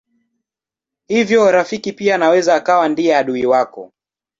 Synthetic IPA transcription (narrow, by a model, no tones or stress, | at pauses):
hivjɔɾafikipianawɛzaːkawandiɛaɗuiwakɔ̰